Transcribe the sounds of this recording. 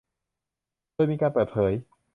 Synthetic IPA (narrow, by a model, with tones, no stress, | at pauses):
ɤː˧jmiː˧kaː˧npɤː˨˩t̪̚pʰɤː˩˦j